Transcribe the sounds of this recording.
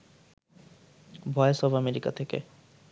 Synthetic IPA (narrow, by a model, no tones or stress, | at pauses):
bʱɔesɔbameɾika̰t̪ʰekḛ